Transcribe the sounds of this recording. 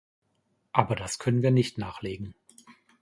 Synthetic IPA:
ʔaːbɐdaskʰœnənviːɐnɪçtnaːχleːɡŋ̩

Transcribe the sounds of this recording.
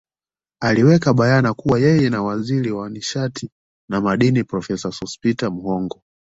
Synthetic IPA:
aliwɛkaɓajanakuwajɛjɛnawaziɾiwaniʃati | namaɗinipɾɔfɛsasɔspitamuhɔŋɡɔ

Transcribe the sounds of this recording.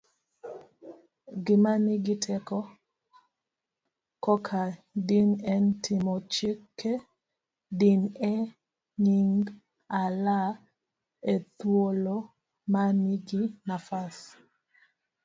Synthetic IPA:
ɡimaniɡitʰɛkɔ | kɔkʰadinɛntʰimɔt͡ʃekːe | dinɛ | ɲiŋɡ | ala | et̪wolo | maniɡinafas

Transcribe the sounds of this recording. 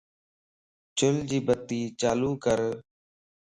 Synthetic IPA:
t͡ʃʊld͡ʒiːbət̪iːt͡ʃaːluːkəɾ

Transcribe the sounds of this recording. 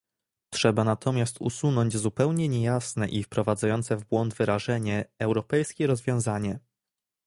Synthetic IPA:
tʂɛbanat̪ʰɔmʲjast̪ṵsunɔɲd͡ʑzupɛwɲɛɲejasnɛʔifpɾɔvad̪zajɔnt̪sɛvbwɔnd̪vɘɾaʐɛɲɛːwɾɔpɛjskʲɛɾɔzvʲjɔ̃w̃zaɲɛ

